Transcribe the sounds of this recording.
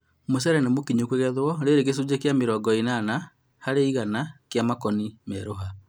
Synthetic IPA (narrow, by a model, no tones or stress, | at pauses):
mosɛɾɛnemokiɲokweɣɛðwɔɾeɾeɣes̬ud͡ʑekjameɾɔːɡɔinaːna | haɾeiɣanakjamakɔnimɛɾoɦa